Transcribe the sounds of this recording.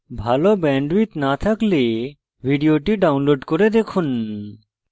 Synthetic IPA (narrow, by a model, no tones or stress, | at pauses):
bʱalobɛɳɖɾit̪nat̪ʰakle | bʱiɖioʈiɖawnloɖkoɾed̪ekʰun